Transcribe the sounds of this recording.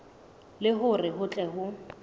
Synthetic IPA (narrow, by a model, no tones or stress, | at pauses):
lɪɦʊrɪɦʊt͡ɬʼɛɦʊ